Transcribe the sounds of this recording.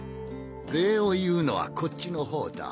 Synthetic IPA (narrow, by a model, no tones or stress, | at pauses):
ɾeːojɯːno̞̰βa̰kʰo̞t͡ɕːino̞ɦo̞ːd̪a̰